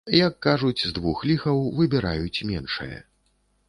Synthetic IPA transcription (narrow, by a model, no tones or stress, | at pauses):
jɐkːaʐut͡sʲzd̪vuxlʲixɐwvɨbʲɛɾa̰jut͡sʲmʲɛnʂɨ̰jɐ̰